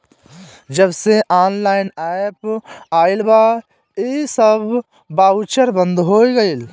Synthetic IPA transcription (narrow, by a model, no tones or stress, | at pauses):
d͡ʒəbseʔaːnlaːɪnɛːpaːɪlba | esəb | baːʊt͡ʃəɾbə̃nd̪ɦoːiɡəil